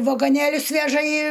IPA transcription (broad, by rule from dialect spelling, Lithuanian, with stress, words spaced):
ʋɐɡoːˈnʲeːlʲʊs ˈʋʲæːʒɐ iː